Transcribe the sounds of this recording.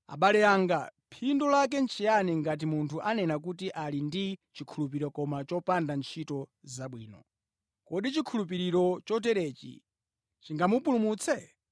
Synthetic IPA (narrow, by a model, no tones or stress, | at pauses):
a̰ɓalɛaŋɡapʰindɔlak̬ɛnt͡ʃʰijaniŋɡat̬imuntʰuʔanɛnak̬ut̬iʔalindit͡ʃikʰulup̬iɾɔkɔmat͡ʃɔpandant͡ʃʰitɔzaɓwḭːnɔ̰ | kɔɗit͡ʃikʰulup̬iɾiɾɔt͡ʃɔt̬ɛɾɛːt͡ʃḭ | t͡ʃiŋɡamupulumut͡sʰɛ